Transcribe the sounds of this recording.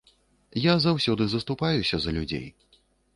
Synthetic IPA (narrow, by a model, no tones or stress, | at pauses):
jazawsʲɔd̪ɨzɐst̪upajusʲɐzɐlʲud͡zʲḛj